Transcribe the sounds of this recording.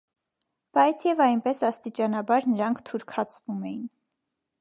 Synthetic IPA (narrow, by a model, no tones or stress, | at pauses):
b̥ɑjt͡sʰjɛvɑjnpɛsɑst̪it͡ʃɑnɑbɑɾnəɾɑŋkʰt̪ʰuɾkʰɑt͡sʰvumɛjin